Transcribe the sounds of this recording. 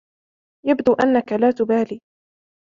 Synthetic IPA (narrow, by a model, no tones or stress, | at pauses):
jabd̪uːʔanːakalaːt̪ʊbaːliː